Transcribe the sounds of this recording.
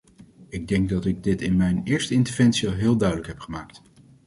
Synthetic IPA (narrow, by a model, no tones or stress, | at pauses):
ɪɡ̚dɛŋɡ̚dɑtɪɡ̚dɪtɪnmɛjnɪːɹstəɪntəɹvɛnsiɑlˠɦɪːlˠdœɥdələkɦɛpχəmaːkt